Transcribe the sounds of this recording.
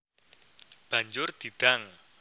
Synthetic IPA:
b̥a̤ɲd͡ʒʊrd̪̥i̤d̪̥aŋ

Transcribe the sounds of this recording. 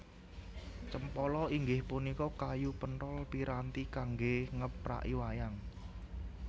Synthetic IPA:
t͡ʃəmpɔlɔiŋɡɪhpunikɔkajupənɾɔlpiɾant̪ikaŋɡeŋəpɾa̰ʔiwajaŋ

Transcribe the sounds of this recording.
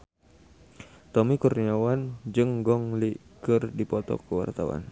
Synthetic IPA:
t̪ɔmikurniawand͡ʒɨŋɡɔŋlikɨrdipɔt̪ɔ̰kəwa̰rt̪a̰wa̰n

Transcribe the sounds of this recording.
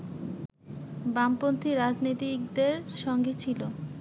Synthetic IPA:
bampont̪ʰiɾad͡ʑnit̪ikd̪eɾʃɔŋɡet͡ɕʰilo

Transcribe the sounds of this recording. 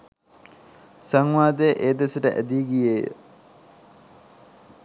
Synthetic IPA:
saŋʋaːd̪ejʔeːd̪esəʈəʔæ̰d̪iːɡijeːjə̰

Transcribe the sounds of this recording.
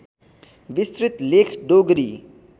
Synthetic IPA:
ʋist̪ɾit̪leːkʰɖoɡɾḭ

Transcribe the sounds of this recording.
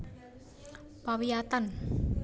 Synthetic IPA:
pawijat̪an

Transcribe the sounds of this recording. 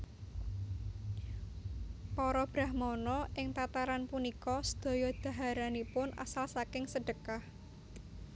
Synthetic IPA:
pɔɾɔb̥ɾahmɔnɔʔɪŋt̪at̪aɾanpunikɔsə̥d̪̥ɔ̤jɔd̪̥a̤ɦaɾanipʊnʔa̰salsakɪŋsəɖ̥əkah

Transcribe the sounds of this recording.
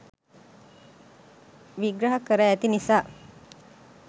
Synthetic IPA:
ʋiɡɾɐɦakəɾəæt̪inisaː

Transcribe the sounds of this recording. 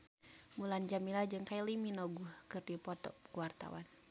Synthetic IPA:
muland͡ʒamilad͡ʒɨŋkajiliminɔɡuhkɨrdipɔt̪ɔ̰kuwart̪a̰wan

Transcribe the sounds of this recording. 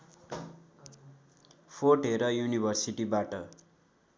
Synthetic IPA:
pʰoʈeɾʌjunibʱʌrsiʈibaʈʌ

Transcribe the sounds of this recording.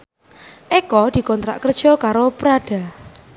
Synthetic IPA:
ʔekɔd̪̥i̤kɔnt̪ɾa̰ʔkərd̥ʒ̥ɔ̤kaɾopɾaɖ̥a̤

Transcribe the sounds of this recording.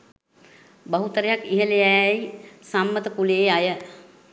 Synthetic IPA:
bəɦut̪əɾjakiɦəlejajsamːət̪əpuleːajə

